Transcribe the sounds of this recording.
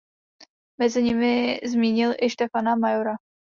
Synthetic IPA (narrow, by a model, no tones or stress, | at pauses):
mɛzɪɲɪmɪzmiːɲɪlʔɪʃt̪ɛfanamajoɾa